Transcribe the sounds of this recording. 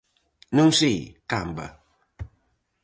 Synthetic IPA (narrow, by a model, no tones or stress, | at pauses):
nũŋsikambɐ̰